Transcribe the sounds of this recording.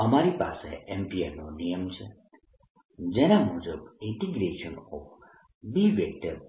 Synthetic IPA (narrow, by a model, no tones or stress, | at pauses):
əmaɾipa̰sḛɛmpiḛnonijəmt͡ʃʰe | d͡ʒenamud͡ʒəbɪ̃ɳʈiɡɾeʃənɔf | biʋjək̚t̪ə